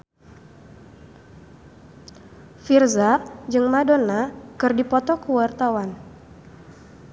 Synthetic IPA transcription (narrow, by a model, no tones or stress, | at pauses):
firzad͡ʒɨŋmadonakɨrdipɔt̪ɔkuwart̪awan